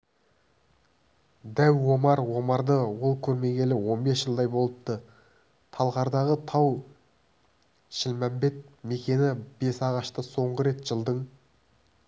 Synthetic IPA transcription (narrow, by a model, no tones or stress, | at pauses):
d̪æwwo̞mɑɾwo̞mɑɾd̪əwo̞lˠkʲʰɵɾme̞ɡʲe̞lɪwo̞nbe̞sʒ̥əlˠd̪ɑjbo̞lˠəp̚t̪ə | t̪ʰɑlˠʁɑɾd̪ɑʁət̪ʰɑw | ʃɪlmæmbe̞t̪̚me̞kʲe̞nɪbe̞sɑʁɑʃt̪əso̞ɴʁəɾe̞t̪ʒ̥əlˠd̪əɴ